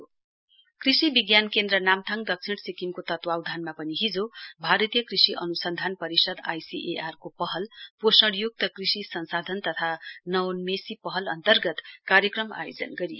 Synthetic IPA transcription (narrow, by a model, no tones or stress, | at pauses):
krisibiɡjankend̪rʌnamt̪ʰaŋɖʌk̚t͡sʰiɳʈsikimkot̪ʌt̪wawd̪ʱanmapʌniɦid͡zobʱaɾʌt̪ijʌkrisiʔʌnusʌnd̪ʱanpʌɾisʌd̪ajsiʔeʔarkopʌɦʌlposʌɽjok̚t̪ʌkrisisʌnsad̪ʱʌnt̪ʌt̪ʰanʌwnmesipʌɦʌlʌnt̪ʌrɡʌt̪kaɾjʌkrʌma̰jo̰d͡zʌ̰nɡʌɾij